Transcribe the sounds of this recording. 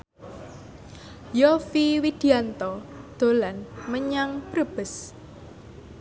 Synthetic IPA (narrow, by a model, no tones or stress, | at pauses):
jɔfiwid̪̥i̤ant̪ɔd̪̥o̤lanməɲaŋpɾəb̥ə̤s